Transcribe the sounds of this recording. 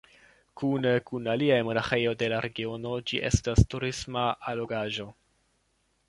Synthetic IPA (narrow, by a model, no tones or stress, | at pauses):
kunkunaliajmo̞naχe̞jo̞jde̞laɾe̞ɡio̞no̞d͡ʒiʔe̞̰stastuɾismaalo̞ɡaʒo̞